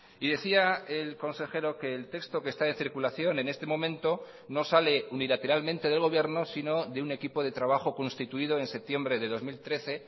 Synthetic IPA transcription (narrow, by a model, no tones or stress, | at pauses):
iðe̞θiaelko̞nse̞xe̞ɾo̞ke̞ːlt̪e̞kst̪o̞ke̞st̪aenθiɾkulaθjo̞ne̞ne̞st̪e̞mõ̞mẽ̞nt̪o̞ | no̞sale̞unilat̪e̞ɾalmẽnt̪e̞ðe̞lɣ̞o̞βje̞ɾno̞sino̞ðeune̞kipo̞ð̞e̞t̪ɾaβaxo̞ko̞nst̪it̪uiðo̞e̞nse̞p̚t̪je̞mbɾe̞ðe̞ðo̞zmilt̪ɾe̞θe̞